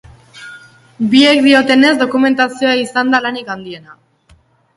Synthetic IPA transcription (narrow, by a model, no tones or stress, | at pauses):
bie̞kd̪io̞t̪e̞ne̞zd̪o̞kume̞nt̪asio̞aisand̪alanikand̪ie̞na